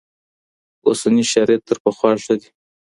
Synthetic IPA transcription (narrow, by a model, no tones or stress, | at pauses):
osaniʃɑɾet̪ːəɾpaxwɑʂad̪i